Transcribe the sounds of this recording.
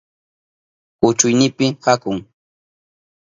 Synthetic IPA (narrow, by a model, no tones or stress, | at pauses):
ʊt͡ʃʊjnɪpɪhakʊŋ